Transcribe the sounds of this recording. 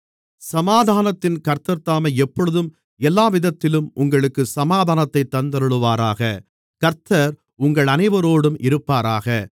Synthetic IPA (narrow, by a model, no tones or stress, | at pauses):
sɐmaːðʱaːnɐt̪ːɪnkɐɾt̪ɐɾt̪aːmɐɪɛpːɔɻɯðɯm | ɛlːaːʋɪðɐt̪ːɪlɯmʔʊŋɡɐɭɯkːɯsɐmaːðaːnɐt̪ːɐɪt̪ːɐnd̪ɐɾɯɭɯʋaːɾaːɣɐ | kɐɾt̪ɐɾ | ʊŋɡɐɭɐnɐɪʋɐɾoːɽɯmɪɾɯpːaːɾaːɣɐ